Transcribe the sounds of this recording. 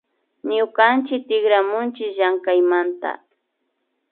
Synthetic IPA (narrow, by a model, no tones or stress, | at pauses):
ɲʊkant͡ʃɪk̚t̪ɪɡɾamʊnt͡ʃɪkʒaŋkajmant̪a̰